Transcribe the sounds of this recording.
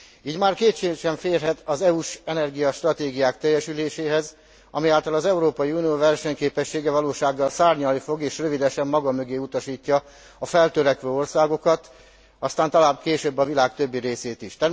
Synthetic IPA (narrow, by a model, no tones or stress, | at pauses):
iːɟmaːrkeːtʃeːɡʃɛɱfeːrɦɛt̪ɒzɛuʃɛnɛrɡijɒʃt̪rɒt̪eːɡijaːkt̪ɛjːɛʃyleːʃeːɦɛz | ɒ̰mijaːlt̪ɒlɒzɛuɾoːpɒjiunijoːvɛrʃɛɲkeːpɛʃːeːɡɛvɒloːʃaːɡːɒlsaːrɲɒlnifoɡeːʃrøvid̪ɛʃɛmːɒɡɒmøɡeːut̪ɒʃiːcːɒ | ɒfɛlt̪øɾɛkʋøːo̞rsaːɡo̞kɒt̪ | ɒst̪aːnt̪ɒlaːbkeːʃøbːɒvilaːkt̪ø̞bːiɾeːseːt̪iʃt̪ɛ